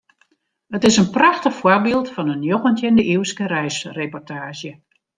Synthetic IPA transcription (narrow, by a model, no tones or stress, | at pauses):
ətɪsənpraxtəxfwɔrbiːlˠtfɔnənjoxəntjɪndəʔiwskərɛjsrepɔrtʰaːʃjə